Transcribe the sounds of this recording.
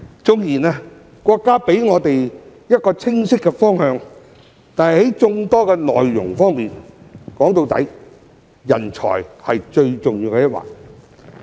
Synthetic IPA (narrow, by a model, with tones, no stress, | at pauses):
t͡sʊ˧ŋjiː˨˩nɛː˧ | kʷɔː˧kːaː˥pe˨˥jŋɔː˨˧t̪e˨jjɐ˥t̚kɔː˧t͡sʰɪ˥ŋsɪ˥kːɛ˧fɔː˥ŋhœː˧ŋ | t̪aː˨nhɐ˨jhɐ˨˥jt͡sʊ˧ŋt̪ɔː˥kɛ˧nɔ̰ː˨jːʊ̰˨˩ŋfɔː˥ŋmiː˨nkɔː˨˥ŋt̪o˧wt̪ɐ̰˨˥j | jɐ̰˨˩nt͡ʃʰɔ̰ː˨˩jhɐ˨jt͡ʃɵ˧ɥt͡sʊ˨ŋjiː˧wkɛː˧jɐ˥t̚wa̰ː˨k̚